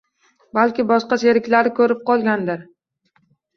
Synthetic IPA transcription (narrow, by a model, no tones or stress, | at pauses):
balkʲɪbɒʃqɑseɾɪkʲlaɾɪkʰɵɾɪp̚qʰɒlˠɡʲand̪ɪɾ